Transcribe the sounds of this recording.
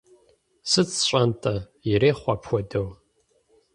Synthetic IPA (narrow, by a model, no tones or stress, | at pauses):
sɨt͡sʰɕʷʼantʼa | ireːχʷapʰxʷɔdow